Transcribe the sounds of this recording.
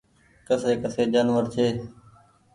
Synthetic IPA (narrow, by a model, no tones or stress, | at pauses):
kəseːkəseːd͡ʒaːnʋəɾt͡ʃʰeː